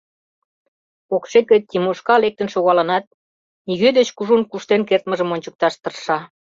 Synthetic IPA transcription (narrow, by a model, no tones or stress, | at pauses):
okʃeket̪ʲːimoʃkɑlek̚t̪ə̆nʃoɣɑlə̆nɑt̪̚ | niɣød̪et͡ɕkuʒunkuʃt̪enkert̪mə̆ʒə̆monʲt͡ɕə̆k̚t̪ɑʃt̪ə̆rʃɑ